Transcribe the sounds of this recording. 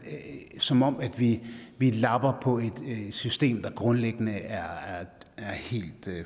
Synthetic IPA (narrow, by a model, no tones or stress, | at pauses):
sɒ̽mɒ̽m̰æd̥ʋiʋilɑ̈b̥ɐpʰɒ̽e̝d̥sysd̥e̝̰ːmd̥ɑ̈ɡ̥ʁɔ̽nleɡ̥ənəæɐæɐæɐhe̝̰ːld̥